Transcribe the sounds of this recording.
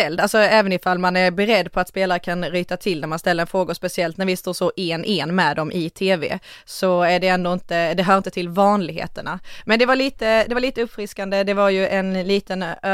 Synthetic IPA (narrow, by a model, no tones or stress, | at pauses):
ɛld̪alsɔɛːvənɪfalmanæɾbɛɾɛd̪ːpʰɔat̪speːlaɾəkʰanɾyːt̪at̪ʰɪlːæɾmanst̪ɛlːəɾɛnfɾoːɡaspɛsɪɛlt̪næɾvɪst̪oːʂɔʔɛnʔɛnmɛd̪ɔmʔɪt̪ʰeːvḛː | sɔæɖɛɛnd̪oɪnt̪əd̪ɛɦœːɾɪnt̪ət̪ʰɪlvɑːnlɪɡhḛːt̪əɳamɛnd̪ɛvaɾɭiːt̪əd̪ɛvaɭiːt̪əɵpːfɾɪskand̪əd̪ɛvaɾjɵʔɛnliːt̪ən